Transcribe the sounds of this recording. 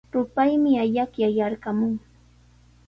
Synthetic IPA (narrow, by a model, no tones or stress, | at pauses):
ɾʊpajmɪaʎakjajaɾɢamʊŋ